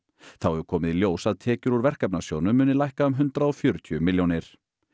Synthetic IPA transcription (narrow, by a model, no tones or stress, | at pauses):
θawɛɾʏ̥kʰɔːmɪðiljoːwsaðt̪ʰɛːcʏɾuɾvɛr̥kap̚nasjoːwnʏmːʏːnɪlajhkaʏmɦʏnt̪ɾaɔfjœɾʏt̪ʰyʏmɪljownɪɾ̥